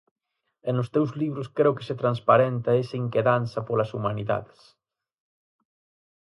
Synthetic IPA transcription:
ɛnʊst̪ewzliβɾʊskɾeʊkɪ̥set̪ɾanspaɾɛnt̪ɐesɐiŋkeðanθɐpolɐsumaniða̰ðɪs

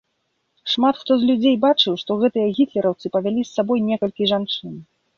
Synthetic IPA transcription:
ʂmat̪xt̪ɔzlʲud͡zʲejbat͡ʂɨwʂt̪ɔɣɛt̪ɨjɐɣʲit̪lʲɛɾɐwt̪sɨpɐvʲalʲisːabɔjnʲɛkɐlʲkʲiʐant͡ʂɨn

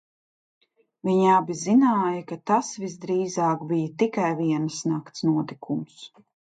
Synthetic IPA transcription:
viɲabizinaːjɐkat̪asvizd̪ɾiːzaːkbijət̪ikajviɛnsnakt̪snuɔt̪ikʰums

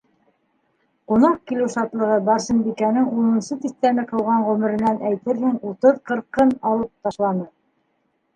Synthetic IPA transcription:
qunɑq̚kilɘwʃɑt̪lˠɤ̆ʁɤbɑɾsɤ̆nbikænɘŋunɤ̆nsɤt̪ist̪ænɘqɤ̆wʁɑɴʁʉmɘ̆ɾɘ̆nænʔæjt̪ɘɾhɘŋut̪ɤðqɤ̆ɾqɤnɑlˠɤp̚t̪ɑʃlˠɑnɤ

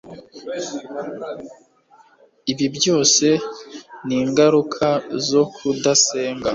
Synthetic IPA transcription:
iβibjo̞ːse̞niːŋɡaɾukʰazo̞kʰudase̞ːŋɡa

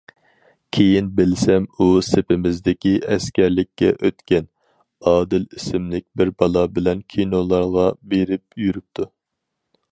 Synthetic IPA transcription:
kʲʰejinbɪlsɛmusepɪmɪzd̪ɪkʲiɛskʲɛɾlɪkʲːɛ̰ʔøt̪kʲɛn | ɑːd̪ɪlisɪmlɪk̚ʲbɪɾbɑlˠɑbɪlɛnkʲʰinolˠɑɾʁɑbeɾɪp̚jyɾyp̚t̪ʰu

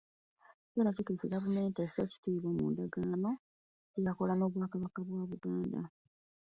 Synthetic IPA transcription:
eɾacutuseɡavume̞ːnteseːci̥tiːβomṵːndaɡaːno̞ | cejako̞lano̞ːβwaːkaβakaβwaːβuɡaːnda̰

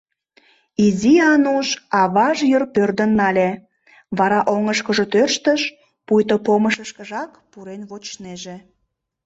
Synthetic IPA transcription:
iziɑnuʃɑβɑʒjərpørd̪ənːɑlʲe | βɑɾɑʔoŋəʃkəʒot̪ørʃt̪əʃ | pujt̪opoməʃəʃkəʒɑk | puɾenβot͡ɕneʒe

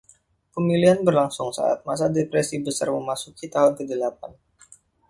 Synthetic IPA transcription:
pəmiliɦanbərlaŋsʊŋsa̰ʔa̰t̪̚mas̬adepɾɛsibəsa̰rməmasukit̪aɦʊnkədəlap̚an

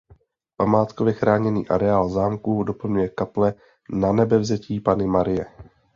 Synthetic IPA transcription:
pamaːt̪kovjɛxɾaːɲɛnḭːʔaɾɛaːlzaːmkudopl̩ɲujɛkaplɛ | nanɛbɛvzɛciːpanɪmaɾɪjɛ

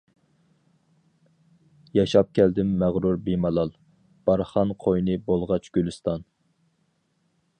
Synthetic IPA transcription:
jɑʃɑp̚kʲʰɛld̪ɪmːæʁɾuɾbemɑlˠɑlˠ | b̥ɑɾχɑnqʰojnɨbolˠʁɑt͡ʃʰɡ̥ʲylɨst̪ɑn

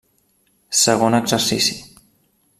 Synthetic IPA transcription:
səɣ̞onəɡzəɾsisi

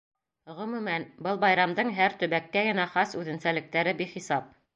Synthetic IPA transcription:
ʁɵ̆mʉmænbɤlˠbɑjɾɑmd̪ɤɴɦæɾt̪ɵ̆βækːæɡɘ̆næχɑsʉðɘ̆nsælɘ̆k̚t̪æɾɘbiχisɑp̚

